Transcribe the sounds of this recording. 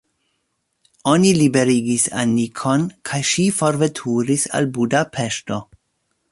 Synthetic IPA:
o̞nilibe̞ɾiɡisa̰nikʰo̞nkʰajʃifo̞ɾve̞tʰuɾisa̰lbudapʰe̞ʃto̞

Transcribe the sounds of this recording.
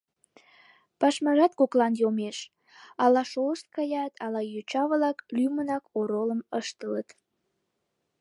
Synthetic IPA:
pɑʃmɑʒɑt̪koklɑnjomeʃ | ɑlɑʃoləʃt̪̚kɑjɑt̪ʰɑlɑjot͡ɕɑβəlɑklymənɑkoɾoləməʃt̪ələt̪

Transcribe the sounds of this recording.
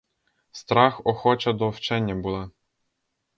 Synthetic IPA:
st̪ɾɑxɔxɔt͡ʃɐd̪ɔwt͡ʃɛnʲːɐbulˠɑ

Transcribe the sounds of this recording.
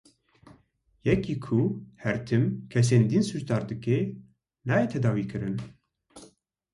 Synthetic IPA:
jɛkiːkʰuhɛɾt̪ʰɨmkʰɛs̬eːnd̪insuʒd̪ɑːɾd̪ɨkeː | nɑːjeːt̪ʰɛd̪ɑːwiːkɨɾɨn

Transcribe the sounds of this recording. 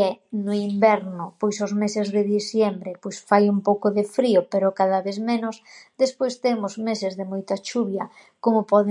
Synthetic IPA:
ɛnʊimbɛɾnʊpojsʊzmesezðɪðiθjembɾepojsfajumpowkʊðɪfɾiʊpeɾʊkaðaβeθmenʊsd̪espojst̪emʊzmesezðemojt̪ɐt͡ʃuβjɐ | komʊpɔð

